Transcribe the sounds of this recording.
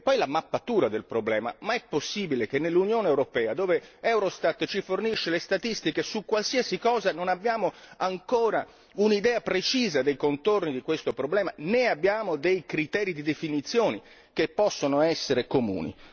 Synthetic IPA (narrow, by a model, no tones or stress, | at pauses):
pːɔjlamapːat̪uːɾad̪elpɾoblɛːma̰maɛpːosːiːbilek̟enːelːunjoːneewɾopɛːad̪oːveɛwɾost̪at̪ːt͡ʃiforniʃːelest̪at̪ist̪ikesukːwalsiasikɔːzanonabːjaːmoaŋkoːɾa | unid̪ɛːapɾet͡ʃiːzad̪ejkont̪ornid̪ikwest̪opɾoblɛːmaneabːjaːmod̪ejkɾit̪ɛːɾid̪id̪efinit̪sːjoːni | k̟epːɔsːonoɛsːeɾekomṵːnḭ